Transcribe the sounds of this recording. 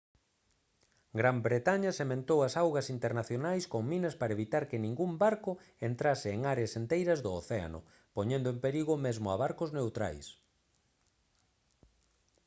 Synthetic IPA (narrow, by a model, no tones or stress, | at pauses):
ɡɾambɾet̪aɲɐsemẽnt̪owɐsawɣɐsint̪eɾnaθjonajskoŋminɐspaɾɐeβit̪aɾkɪnĩŋɡumbaɾkʊ | ent̪ɾasɪeŋaɾeasent̪ejɾɐzðʊoθea̰nʊ̰ | poɲẽnd̪ʊẽmpeɾiɣʊmezmʊaβaɾkʊznewt̪ɾa̰js